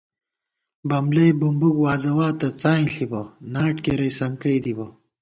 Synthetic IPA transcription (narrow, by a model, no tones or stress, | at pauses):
bɐmlɐjbumbukwaːzɐwaːt̪ɐt͡saːĩɬibɐnaːʈkeɾɐjsɐŋkɐjd̪ibɐ